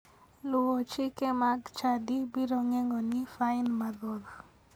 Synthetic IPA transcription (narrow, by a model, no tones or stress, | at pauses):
lʊwɔt͡ʃikemaɡt͡ʃadibiɾɔŋɛŋɡɔnɪfaɪnmad̪ɔɾ